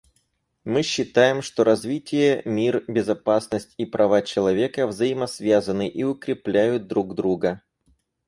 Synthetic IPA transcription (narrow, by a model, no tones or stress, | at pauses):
mɨɕːɪt̪ajɪmʂt̪o̞ɾɐzvʲitʲɪjəmʲirbʲɪzɐpasnəsʲtʲipɾʔɐvat͡ɕɪlˠɐvʲe̞kəvzəjɪmɐsvʲazənɨʔiʊkɾʲɪplʲæjʊt̪̚d̪ɾuɡd̪ɾuɡə